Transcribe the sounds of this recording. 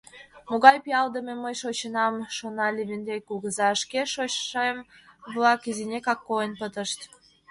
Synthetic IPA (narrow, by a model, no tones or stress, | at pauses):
moɣɑjpijɑld̪əmeməjʃot͡ɕənɑmʃonɑlʲiβʲind̪ejkulɣəzɑəʃkeʃot͡ɕʃɑjəmβlɑkizinʲekɑkːoənpət̪əʃt̪